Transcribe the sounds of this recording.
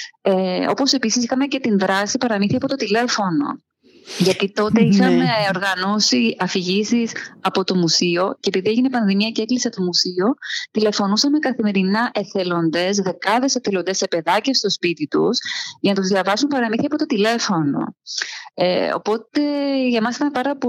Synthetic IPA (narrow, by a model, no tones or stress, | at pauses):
eo̞po̞se̞pisisixɐmece̞t̪inðɾɐsipɐɾɐminθiɐpo̞t̪o̞t̪ile̞fo̞no̞̰ | ʝɐt̪it̪o̞t̪eixɐmeo̞ɾɣɐnosiɐfiʝisisɐpo̞t̪o̞musio̞ceːpiðieʝinepɐnðimiɐceeklisɐt̪omusio̞t̪ile̞fo̞nusɐme̞kɐθime̞ɾinɐʔeθelo̞nd̪e̞sðe̞kɐðe̞se̞θelo̞nd̪e̞sːe̞pe̞ðɐcest̪o̞spit̪it̪ṵsʝɐnɐt̪uzðiɐvɐsumpɐɾɐminθiɐpo̞t̪o̞t̪ile̞fo̞no̞̰ | eo̰po̞t̪e̞ʝɐmɐsit̪ɐmpɐɾɐp